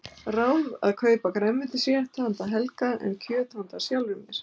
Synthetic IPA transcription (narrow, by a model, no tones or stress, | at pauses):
raːwða̰ðkʰœːɥpakɾɛmːɪnt̪ɪsjɛ̥t̪ahant̪aɦɛlkaʔɛ̰ncʰœːt̪hant̪asjawlvʏmjɛɾ̥